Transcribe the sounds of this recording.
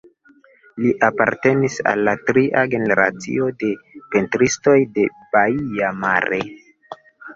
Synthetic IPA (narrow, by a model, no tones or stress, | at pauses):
liʔapaɾte̞nisa̰lːatɾiʔaɡe̞ne̞ɾa̰t͡sḭo̞de̞pe̞ntɾisto̞jde̞baiama̰ɾe